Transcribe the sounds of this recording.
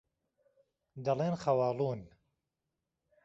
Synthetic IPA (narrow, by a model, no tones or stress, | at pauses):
d̪ɐleːnxɐwɑːlˠuːn